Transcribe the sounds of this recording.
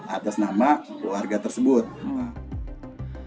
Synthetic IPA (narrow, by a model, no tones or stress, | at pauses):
ʔa̰t̪asnamakluwarɡat̪ərsəbʊt̪̚